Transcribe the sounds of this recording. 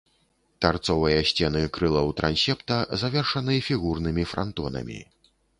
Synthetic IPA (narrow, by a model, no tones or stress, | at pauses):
t̪art̪sɔvɨjɐɕʲt͡sʲɛnɨkɾɨlˠɐwt̪ɾa̰nsʲɛpt̪ɐzavʲɛrʂɐnɨfʲiɣurnɨmʲifɾʔa̰nt̪ɔnɐ̰mʲḭ